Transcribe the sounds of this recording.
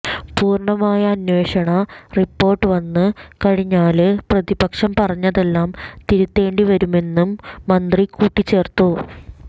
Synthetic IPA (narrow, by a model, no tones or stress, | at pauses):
puːrɳɐmaːjɐːnwe̞ːɕɐɳɐripːo̞ːrʈːɨʋɐnːɨkɐɻiɲːaːlɨprɐðibɐkʂɐmpɐrɐɲːɐðe̞lːaːmt̪iɾut̪ːe̞ːɳɖiʋɐɾume̞nːumːɐnd̪rikuːʈːit͡ɕːe̞ːrt̪u